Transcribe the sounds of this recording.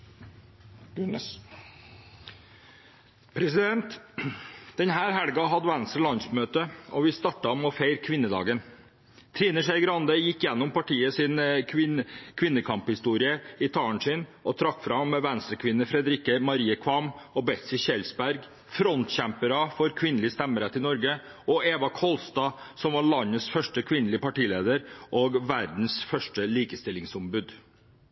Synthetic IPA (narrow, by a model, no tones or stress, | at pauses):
ʉn | pʰɾɛsɪd̪ɛnt̪ | d̪̥ɛnɦæːɾɦæɽɡɑɦɑd̪əʋænst̪ɾəlɑnsmøːt̪əɔʋɪst̪ɑʈːɑmɔfeɪɾkʰʋɪnːəd̪ɑ̰ːɡən | t̪ʰɾiːnəʂæɪɡɾɑnd̪əjɪkːjɛnːʊmpɑʈʰiːəsɪnʰɪkʰʋɪnːəkʰɑmphɪst̪uːɾɪəɪt̪ʰɑːəɳʂɪnʔɔt̪ʰɾɑkːfɾɑmːɛʋænst̪ɾəɾkʰʋɪnːəfɾɛd̪ɾɪkəmɑɾiːəkʰʋɑmɔbɛt̪sɪçɛlsbæɾɡ | fɾɔnt̪ɕæmpəɾɑfɔɾkʰʋɪnəlɪəst̪ɛmːəɾɛt̪ːɪnɔɾɡə | ɔʔeːʋɑkʰɔlst̪ɑːsɔmʋɑɭɑɲːəsfœʂʈəkʰʋɪnːəlɪəpɑʈiːleːd̪əɾʔoːɡʋæɾd̪n̩sfœʂʈəliːkəst̪ɪlɪŋsʊmbʉd̪